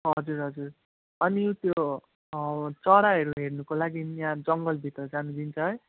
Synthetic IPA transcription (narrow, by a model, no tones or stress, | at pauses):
ɦʌd͡zuɾɦʌd͡zur | ʌnĩt̪jo | t͡sʌɾaɦʌɾuɦernukolaɡijãd͡zʌŋɡʌlbʱit̪rʌd͡zanud͡zint͡sʰʌɦʌj